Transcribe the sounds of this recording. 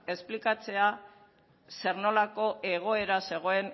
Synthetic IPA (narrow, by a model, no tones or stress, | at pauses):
e̞splikat͡se̞a | se̞ɾno̞lako̞ʔe̞ɣ̞o̞e̞ɾase̞ɣ̞o̞e̞n